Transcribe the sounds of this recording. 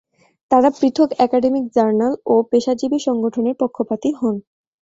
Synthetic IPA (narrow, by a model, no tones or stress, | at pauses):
t̪aɾapɾit̪ʰokɛkaɖemik̚d͡ʑaɾnalopeʃad͡ʑibiʃɔŋɡoʈʰoneɾpokʰːopat̪iɦɔn